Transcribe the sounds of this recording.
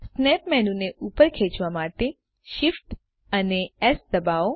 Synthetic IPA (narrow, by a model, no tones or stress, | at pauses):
snɛpmɛnũneʔupəɾkʰet͡ʃʋamaʈe | ʃifʈ | əneɛsd̪əbao